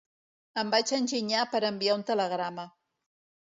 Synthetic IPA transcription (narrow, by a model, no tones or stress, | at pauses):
əmbat͡ʃənʲʒiɲapəɾəmbiaunt̪ələɣ̞ɾamə